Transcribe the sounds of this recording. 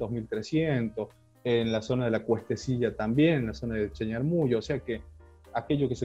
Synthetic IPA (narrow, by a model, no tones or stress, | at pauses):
d̪ozmilt̪ɾesjent̪o̞s | enlaso̞naðelakwe̞st̪esiʎat̪ambje̞nenlaso̞naðet͡ʃeɲaɾmuʝoːse̞ake | ake̞ʝokese